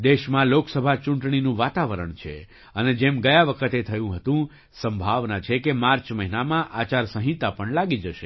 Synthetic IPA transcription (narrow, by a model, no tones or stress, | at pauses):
d̪eʃmãloksəbʱat͡ʃũɳʈɳinũʋat̪aʋəɾəɳt͡ʃʰḛ | əned͡ʒemɡəjãʋəkʰət̪et̪ʰəjũɦət̪ũ | sə̃mbʱaʋnat͡ʃʰekemaɾt͡ʃməɦinamãʔat͡ʃaɾsəɦit̪apəɳlaɡid͡ʒəʃe